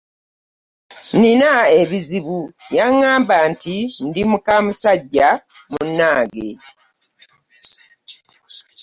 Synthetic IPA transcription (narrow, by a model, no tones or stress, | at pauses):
ninae̞βiziβujaŋːaːmbantindimukamusaɟːamunːaːɡe̞̰